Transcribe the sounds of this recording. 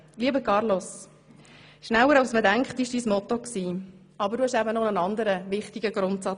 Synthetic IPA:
liəbəkʰɑɾlos | ʃnæwəɾɑʊsmədæŋkχtɪʃd̥iːsmɔt̪ɔksiː | ɑbəɾduhɛʃæbənɔnənɑnd̪əɾəʋɪχtɪɡəɡɾʊntsɑ

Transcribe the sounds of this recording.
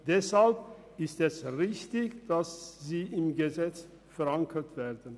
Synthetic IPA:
d̥ɛshalp̚ | ɪstɛsʁɪçtɪçd̥asziːʔɪmɡəzɛt͡s | fɛʁaŋkʰətv̥ɛːdən̩

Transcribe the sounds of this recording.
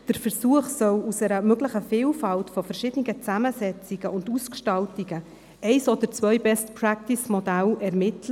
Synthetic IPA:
d̥əɾfəɾsuəχsœlusɛɾəmøɡləχəfiːlfɑltfɔfɛɾʃɪːd̥əniɡət͡sæməsɛt͡siɡ̥əʔʊnduskʃtɑltiɡə | ʔɛɪsod̥əɾt͡svœʏbɛstpʰɾæk̚tɪsmɔdælɛɾmɪtʰlə

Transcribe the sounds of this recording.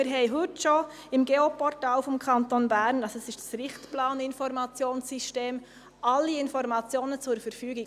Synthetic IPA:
ɪɾɦɛɪɦʏtʃo | ɪmɡeːopɔɾtaːʊfɔmkʰɑntonbæːɾnɑlsoɛsɪʃtd̥ɑ̥sɾɪχtplɑːnɪnfɔɾmɑt͡sjoːnsiʃteːm | ʔɑlːiɪnfɔɾmɑt͡sjoːnət͡sʊɾfəɾfyːɡɪ

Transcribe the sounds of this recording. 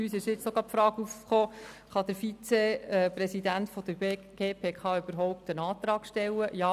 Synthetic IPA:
yːsɪʃjɪt͡sːoɡɑːpfɾɑːɡufχoːχɑd̥̪əɾfit͡sepɾɛsidæntfɔd̥əɾ | ɡ̥eːpʰeːkʰɑːyb̥əɾɦɔʊp̚tənɑːt̪ɾɑːkʃtɛlːəjɑː

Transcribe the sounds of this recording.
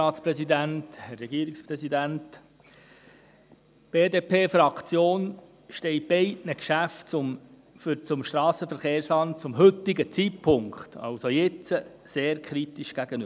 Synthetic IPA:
ɑːtspɾɛsid̪ænt̪hɛrːɛɡiːɾɪkspɾɛsidænt̪ | b̥eːdeːpʰeːfɾɑkt͡sjoːn | ʃtɛɪb̥ɛɪtnəkʃæftt͡sʊm | fyɾt͡sʊmʃtɾɑːsəfəɾχeːɾslɑntt͡sʊmɦɵt̪ːɪɡət͡sitpʰʊŋkχt̪ɑ̰wsojɪt͡sə | seːɾkʰɾit̪iʃɡ̥æɡ̥əny

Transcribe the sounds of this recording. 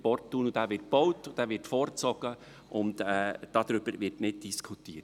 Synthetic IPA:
pɔrtːuːnʊdæːʋɪɾt̚b̥ɔwtʊd̥æːʋɪɾtfɔːɾt͡sɔɡ̥ə | ʔʊntɛːd̥ɑd̪ɾʏb̥əɾvɪɾtnɪt̚d̥iskʰutiːt

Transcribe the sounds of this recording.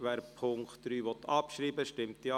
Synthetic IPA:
ʋæːɾpʰʊŋkχtdɾyːʋɔt̪ʰːɑpʃɾiːbəʃtɪmt̪iɑ

